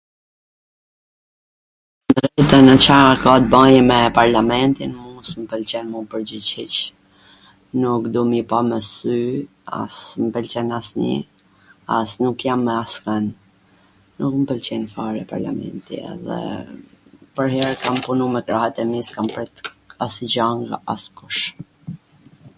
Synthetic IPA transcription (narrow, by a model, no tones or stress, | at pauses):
d̪ɾɾɛt̪anət͡ɕakat̪̚bajɛmɛpaɾlamɛnt̪inmusmpəlt͡ɕɛnmupəɾd͡ʑit͡ɕhit͡ɕ | nukd̪umipamɛsy | a̰smpəlt͡ɕɛnasnḭ | a̰snukjamːɛaskanː | ukməpəlt͡ɕɛnfaɾɛpa̰ɾla̰mɛ̰nt̪ḭɛ̰ðɛ̰ | pəɾhɛɾkampunumɛkɾahɛt̪ɛmiskampɛt̪asid͡ʑaŋɡa̰askuʃ